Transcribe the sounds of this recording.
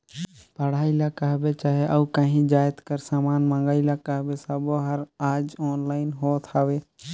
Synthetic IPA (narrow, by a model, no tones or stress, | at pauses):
pəɽ̤aːɪlakəɦbet͡ʃaːɦeʔəukəɦĩd͡ʒaːjt̪kəɾsaːmaːnmə̃ŋɡaːɪlakəɦbesaboɦəɾaːd͡ʒɔːnlaːɪnɦoːt̪ʰaːʋeː